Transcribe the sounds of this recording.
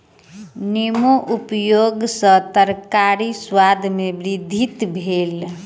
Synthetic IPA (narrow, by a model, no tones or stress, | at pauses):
nimoʔupjoɡsə̃t̪əɾkaɾiswad̪ʱmebɾid̪ʱit̪bʱel